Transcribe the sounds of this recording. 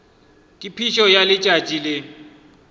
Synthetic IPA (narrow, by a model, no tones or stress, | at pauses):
kʼipʰiʃɔjalɪt͡ʃʼat͡ʃʼilɪ